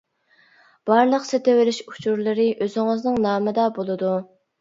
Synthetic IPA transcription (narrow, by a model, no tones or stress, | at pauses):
b̥ɑɾlˠəqset̪ewɪlɪʃu̥t͡ʃʰuɾlˠɨɾɪʔøzɪŋɨznɨŋnɑːmɨd̪ɑbolˠɨd̪u